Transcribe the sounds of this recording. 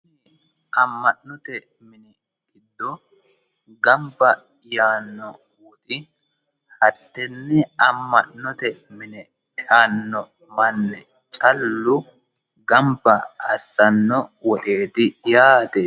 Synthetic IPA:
ʔɐmːɐʔnɔt̪ɛ | mɪnɛ | ɡɪd̪ːɔ | ɡɐmbɐ | jaːnːɔ | wʊt̪ʼɪ | hɐt̪ːɛnːɛɐmːɐʔnɔt̪ɛmɪnɛ | haːnːɔ | mɐnːɛ | t͡ʃʼɐlːʊ | ɡɐmbɐɐsːɐnːɔwɔɗe̞ːt̪ɪjaːt̪ɛ

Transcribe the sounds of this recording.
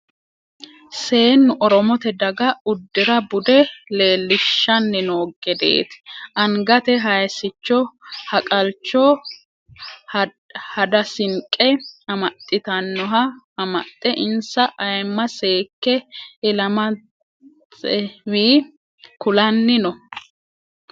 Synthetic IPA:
se̞ːnːʊʔɔɾɔmɔt̪ɛd̪ɐɡɐʊd̪ːɪɾɐbʊd̪ɛle̞ːlːɪʃːɐnːɪnoːɡɛd̪ḛːt̪ɪ̥ʔɐŋɡɐt̪ɛɦɐjsɪt͡ʃːɔhɐkʼɐlt͡ʃːɔ | hɐd̪ɐsɪŋkʼːɛɐmɐt̪ʼːɪt̪ɐnːɔɦɐ | ɐmɐ̰t̪ʼːɛʔɪnsɐʔɐjmːɐse̞ːkːɛɪlɐmɐ | ɛwiː | kʊlɐnːɪnɔ

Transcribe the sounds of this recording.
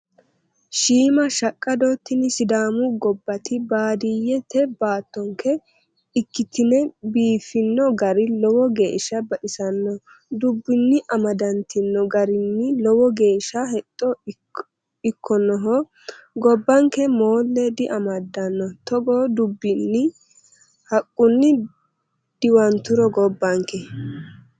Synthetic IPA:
ʃiːmɐʃɐkʼːɐd̪oːt̪ːɪnɪsɪd̪aːmʊɡɔbːɐt̪ɪbaːd̪ɪjːɛt̪ɛbaːt̪ːɔŋkʰɛ | ɪkːɪt̪ɪnɛbiːfɪnːɔɡɐɾɪlɔwɔɡe̞ːʃɐbɐɗɪsɐnːɔ | d̪ʊbːɪnːɪʔɐmɐd̪ɐnt̪ɪnːɔɡɐɾɪnːɪlɔwɔɡe̞ːʃːɐhɛt̪ʼːɔ | ɪkʰːɔnɔɦɔ | ɡɔbːɐŋkɛmoːlːɛd̪ɪʔɐmɐd̪ːɐnːɔt̪ɔɡoːd̪ʊbːɪnːɪ | hɐkʼːʊnːɪ | d̪̥ɪwɐnt̪ʊɾɔɡɔbːɐŋkɛ

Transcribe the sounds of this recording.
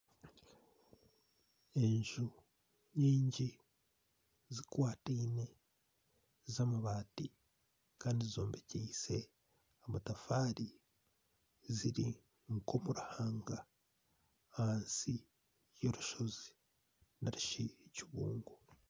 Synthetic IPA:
e̞ɲʒu | ɲiːɲɟi | zikwaːtiːne̞ | zamaβaːti | kaːndizizo̞ːmbeciːse | amatafaːɾi | ziɾi | ŋkomuɾahaːŋɡa | aansi | jo̞ɾuʃo̞zi | naɾuʃiciβuːŋɡu

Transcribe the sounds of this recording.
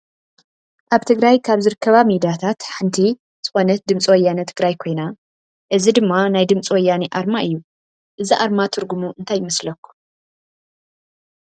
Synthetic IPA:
ʔaβt̪ʰɨɡɾajkʰaβzɨɾɨkʰːɐβamid̪ijat̪ʰat̪ħɨnt̪ʰi | z̥ɨxo̞nɐt̪̚d̪ɨmt͡sʼwɔjanit̪ʰɨɡɾajkʰo̞jna | ʔɨzid̪ɨmːanajd̪ɨmt͡sʼwɔjːaniʔaɾmaɨjːu | ʔɨziʔaɾmat̪ʰɨɾɡumuʔɨnt̪ʰajːɪmɐslɐkʰːu̥

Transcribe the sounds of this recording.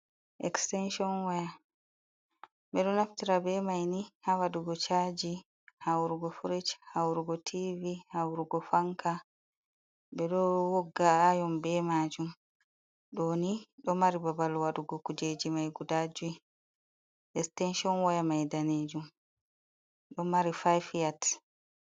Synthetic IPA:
ʔɛkstɛnʃɔnwaja | bɛɗɔnaftiɾabɛmajnihawaduɡɔt͡ʃad͡ʒi | hawɾuɡɔfuɾit͡ʃhawɾuɡɔtʰivihawɾuɡɔfaŋka | bɛɗɔwɔɡːaːjɔmbɛmaːd͡ʒum | ɗoniɗɔmaɾibabalwaɗuɡɔkud͡ʒed͡ʒimajɡudad͡ʒu | ʔɛstɛnʃɔnwajamajdaneːd͡ʒum | ɗɔmaɾifajfjat

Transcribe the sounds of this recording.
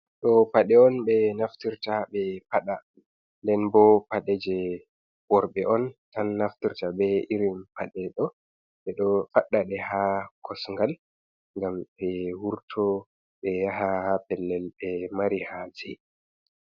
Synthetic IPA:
ɗɔpaɗɛɔnɓɛnaftiɾtabɛpaɗa | ndɛnbɔpaɗɛd͡ʒɛ | wɔɾɓɛʔɔntanːaftiɾtabɛiɾinpʰaɗɛɗɔ | ɓɛɗɔfaɗːaɗɛhakʰɔsŋɡal | ŋɡamɓɛwuɾtʰɔ | ɓɛjaɦahapɛlːɛlbɛmaɾihad͡ʒɛ

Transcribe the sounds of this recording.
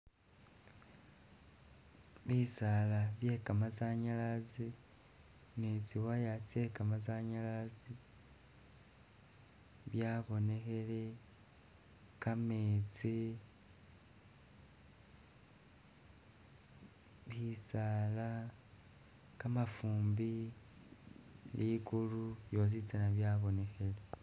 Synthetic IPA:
βisalaβje̞kamazaɲalazi | nit͡siwajat͡se̞kamazaɲalazi | βjaβo̞ne̞xe̞le | kamet͡si | βisala | kamafuːmbi | likulujo̞zit͡senaβjaːβo̞nehele

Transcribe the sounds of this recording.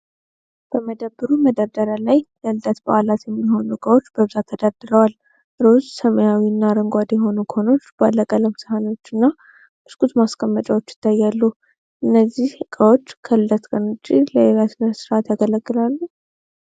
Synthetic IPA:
b̥əməd̪əbːɨɾuməd̪əɾd̪əɾalajləɨːət̪ba̰ʔalat̪jɛmːiho̞nukʼəwot͡ʃːbəβɨzat̪ʰːəd̪ad̪ɨɾəwal | ɾozsəməjawiɨnːaɾəŋɡʷad̪jɛɦo̞nukʰo̞no̞t͡ʃːb̥alːəɡʼələmsɨhano̞t͡ʃːɨnːa | bɨskʼut̪maskʰʼəmːət͡ʃʼawot͡ʃːjɪ̥t̪ʰːajːalːu | ʔɨnːəzːihkʼəwo̞t͡ʃːkʰəɨlət̪kʼənot͡ʃʼːiləeɾat̪nəsɨɾat̪jaɡələɡːɨlalːu

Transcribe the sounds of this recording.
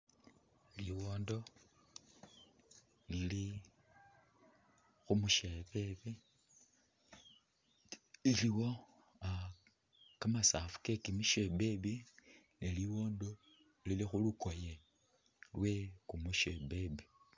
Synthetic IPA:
liwoːndo̞ | lili | xumuʃeβeβi | iliwo̞ | a | kamasafu̥kekimiʃebeβi | neliwo̞ːndo̞ | lilixulukoje | lwe̞kumuʃebebi

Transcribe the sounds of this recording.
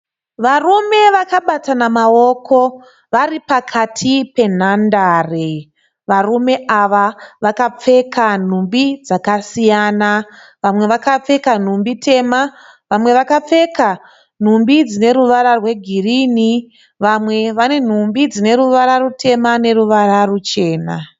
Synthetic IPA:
ʋarume̞ʋakaɓatanamao̞ːkʰo̞ | ʋaripakʰatʰipe̞n̤andaːre | ʋarume̞ʔaʋaʋakap͡fe̞kan̤umbid͡zakasijaːna | ʋamwe̞ʋakap͡fe̞kan̤umbitʰe̞ma | ʋamwe̞ʋakap͡fe̞ka | n̤umbid͡zine̞ɾuʋaɾarwe̞ɡʱiriːni | ʋamwe̞ʋane̞n̤umbid͡zine̞ɾuʋaɾarutʰe̞mane̞ɾuʋararut͡ʃe̞ːna̰

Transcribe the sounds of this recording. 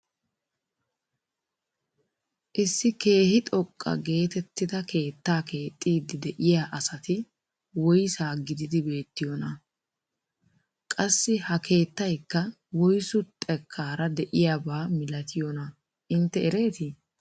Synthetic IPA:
ʔɪsːɪke̞ːhɪt̪ʼɔkʼːɐ̰ɡe̞ːt̪ɛt̪ːɪd̪ɐkʰe̞ːt̪ːaːke̞ːt̪ʼːiːd̪ɪd̪ɛʔɪjaːʔɐsɐt̪ɪ | wɔjsaːɡɪd̪ɪd̪ɪbe̞ːt̪ːɪjɔnɐ | kʼɐsːɪhɐkʰe̞ːt̪ːɐjkːɐ | wɔjsʊt̪ʼːɛkʰːaːɾɐd̪ɛʔɪjabaːmɪlɐt̪ʰɪjɔnɐ | ʔɪnt̪ːɛɛɾe̞ːt̪ɪ

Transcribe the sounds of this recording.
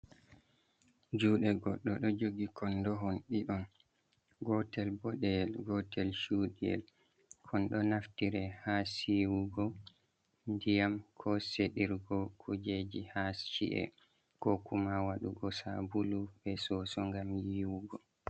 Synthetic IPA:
d͡ʒuːɗɛɡɔɗːɔɗɔd͡ʒoɡikɔndɔɦɔnɗiɗɔn | ɡɔtɛlbɔɗɛɛlɡɔtɛlʃuːɗiɛ̰l | kʰɔnɗɔnaftiɾɛhasiwuɡɔ | ndijamkʰɔseɗiɾɡɔkʰud͡ʒed͡ʒihast͡ʃḭʔɛ̰ | kɔkumawaɗuɡɔsa̰bulubɛsɔsɔŋɡamjiːwuɡɔ

